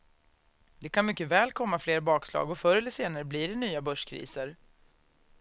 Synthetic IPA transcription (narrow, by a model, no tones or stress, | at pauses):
d̪ɛkʰanmʏkːəvɛːlkʰɔmːafleːɾbɑːkslɑ̰ːɡɔfœɾɛlːəseːnaɾəblɪɖɛnyːabœʂkʰɾḭːsəɾ